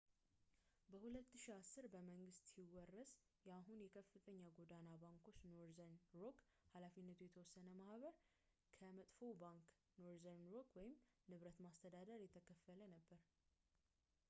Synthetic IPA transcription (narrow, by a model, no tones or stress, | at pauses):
bəhulət̪ːɨʃiasːɨɾbəməŋɡɨst̪siwɔrːəs | jaɦunjɛkʰəfːɨt̪ʰʼəɲːaɡo̞d̪anabaŋkʰo̞t͡ʃːnoɾzənɾokhalafinːət̪ʰujɛt̪ʰəwɔsːənəmahβəɾ | kʰəmət̪ʼfo̞wbaŋk | noɾzəɾokwɔjɪmnɨβɾət̪mast̪ʰəd̪ad̪əɾjɛt̪ʰəkʰəfələnəbːəɾ